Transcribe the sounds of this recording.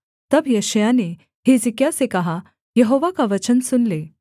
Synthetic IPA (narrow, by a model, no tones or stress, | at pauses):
t̪əbjəɕjane | ɦed͡zikjasekaɦa | jəɦoʋakaʋət͡ɕənsunle